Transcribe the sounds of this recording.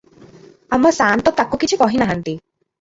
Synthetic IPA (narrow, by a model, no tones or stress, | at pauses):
amɔsant̪ɔt̪akukit͡ʃʰikɔɦinaɦant̪i